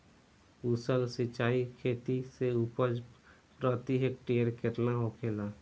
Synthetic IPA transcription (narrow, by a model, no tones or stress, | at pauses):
usəlsɪt͡ʃaːikʰeːt̪iseuːpəd͡ʒ | pɾət̪iɦek̚ʈeːəɾkʰɪɾnaɦokʰeːlaː